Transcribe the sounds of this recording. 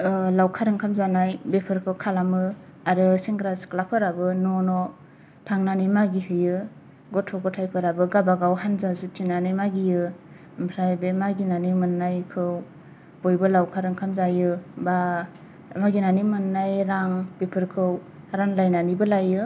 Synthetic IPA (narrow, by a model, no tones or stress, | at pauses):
lawkʰaɾɯŋkʰamzanajbepʰɯɾkʰɯwkʰalamɯ | aɾɯsiŋɡɾasklapʰɯɾabɯnɔnɔ | tʰaŋnanimaɡihɯjɯ | ɡɔtʰɔɡɔtʰajpʰɯɾabɯɡabaɡawhanzazutʰinanɯjmaɡijɯ | mpʰɾajbemaɡinanimɯnːajkʰɯw | b̥ojbɯlawkʰaɾɯŋkʰamzajɯba | maɡinanimɯnːajɾaŋbepʰɯɾkʰɯw | haɾanlajnanibɯlajɯ